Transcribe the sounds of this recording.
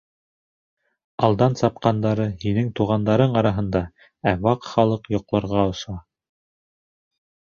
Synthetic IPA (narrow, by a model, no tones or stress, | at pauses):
ɑlˠd̪ɑnsɑp̚qɑnd̪ɑɾɤhinɘŋt̪uʁɑnd̪ɑɾɤɴɑɾɑɦɤ̆nd̪ɑ | æwɑqχɑlˠɤqjŏqlˠɑ̆ɾʁɑŏʃɑ